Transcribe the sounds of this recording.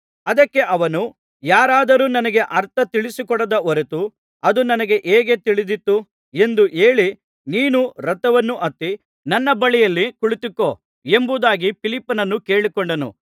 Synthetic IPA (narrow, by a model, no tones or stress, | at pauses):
ɐd̪ɐkːe̞ʔɐʋɐnu | jaːɾaːd̪ɐɾuːnɐnɐɡe̞ʔɐɾt̪ɐt̪iɭisikɔɽɐd̪ɐɔɾet̪u | ɐd̪unɐnɐɡe̞ʔeːɡe̞t̪iɭid̪it̪ːu | e̞nd̪uʔe̞ːɭi | niːnuɾɐt̪ːɐʋɐnːuʔɐt̪ːi | nɐnːɐbɐɭijɐlːikuɭit̪ikːo̞ː | e̞mbud̪aːɡipilipːɐnɐnːuke̞ːɭikɔɳɖɐnṵ